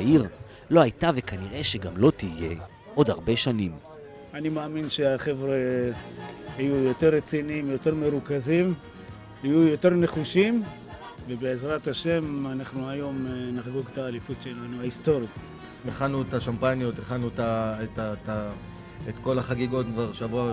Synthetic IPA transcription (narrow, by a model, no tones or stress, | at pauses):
aiʁ | lo̞hajtavekaniʁe̞ʃeɡamlo̞tije̞ | ʔo̞dhaʁbe̞ʃanim | animaːminʃe̞aχe̞vʁe | hajujo̞teʁːet͡siniimjote̞ʁmeʁukazim | hajujo̞te̞ʁne̞χuʃim | vebeːzʁat̪aʃe̞manaχnuajo̞mnaχɡoɡt̪aːlifutʃe̞lanuaist̪o̞ʁja | meχanuetaʃampanjot̪eχanutaetata | et̪ko̞laχaɡiɡo̞t̪kvaʁʃavua